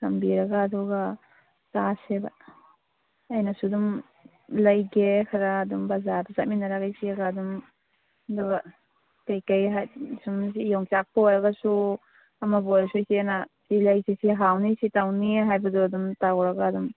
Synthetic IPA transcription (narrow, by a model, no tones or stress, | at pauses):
sɐmbiɾɐɡaːdɔɡa | taseba | jnasudum | lɐjɡekʰaɾaːdumbɐzaɾbazat̚minaɾaɡajsiaɡadum | dɔɡa | kajkajɦajsums̬ijɔŋt͡ʃak̚pɔjɾɐɡasu | amabɔjɾasujsinasilajsisiɦawnisitawniɦajbɐdɔadumtawɾɐɡaːdum